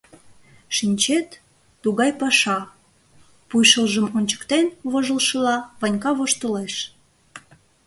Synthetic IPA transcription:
ʃinʲt͡ɕet̪ː | uɣɑjpɑʃɑ | pujʃəlʒəmonʲt͡ɕə̥kt̪enβoʒəlʃəlɑβɑnʲkɑβoʃt̪oleʃ

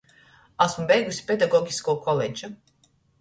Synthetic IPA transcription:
asmubɛjɡusʲi̥pɛd̪aɡɔɡʲiskoːkʰɔled͡ʒu

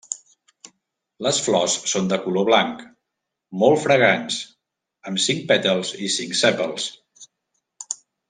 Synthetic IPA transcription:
ləsflɔssond̪əkuloβlaŋk | molˠfɾəɣ̞ans | əmsiŋk̚pɛt̪əlˠzisiŋksɛpəlˠs

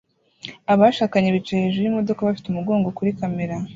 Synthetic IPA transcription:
aβaʃaːkaɲeβit͡ʃaheʒujimo̞do̞kaβafi̥tumuɡo̞ːŋɡokuɾikame̞ɾa

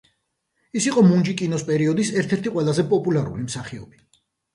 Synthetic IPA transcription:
isiqʼɔmund͡ʒikʼinɔspʼɛɾiɔd̪isɛɾt̪ʰɛɾt̪ʰiqʼwɛlˠazɛpʼɔpʼulˠaɾṵlimsaχiɔ̰b̥i

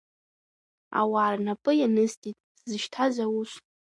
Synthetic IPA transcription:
a̰waːrnapʼɨjanɨstʼitʼ | zɨʃtʰazawuʃʷ

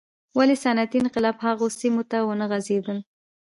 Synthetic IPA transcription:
walesanat̪iːnqɪlɑbhaɣosimot̪awənəɣazed̪əl

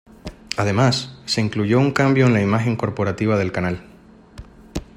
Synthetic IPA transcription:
að̞e̞masːe̞iŋkluʝo̞uŋkambjo̞enlaimaxe̞ŋko̞ɾpo̞ɾat̪iβ̞aðe̞lkanal

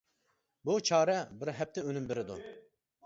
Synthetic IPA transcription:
but͡ʃʰɑːɾɛbɪɾɦɛp̚t̪ʰɛønymbɪɾɪd̪ṵ

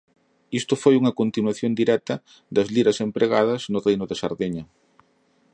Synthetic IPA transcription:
ist̪ʊfojuŋɐkont̪inwaθjond̪iɾɛt̪ɐ | d̪ɐzliɾɐsempɾʔeɣaðɐznʊrejnʊðɪsɐ̰ɾðeɲɐ

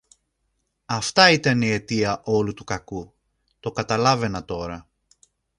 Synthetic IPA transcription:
ɐft̪ɐit̪ɐnie̞t̪iɐʔo̞lut̪ukɐku | t̪o̞kɐt̪ɐlɐve̞nɐt̪o̞ɾɐ

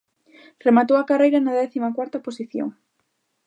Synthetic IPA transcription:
remat̪owɐkarejɾɐnɐðɛθimɐkwaɾt̪ɐposiθjo̰ŋ

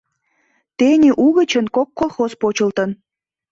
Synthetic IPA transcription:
t̪enʲeʔuɣə̆t͡ɕənkokːolˠxospot͡ɕəlt̪ən

